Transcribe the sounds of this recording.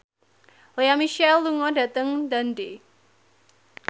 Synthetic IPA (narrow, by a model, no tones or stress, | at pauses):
lejamiʃɛlːuŋɔda̤t̪əŋd̪ande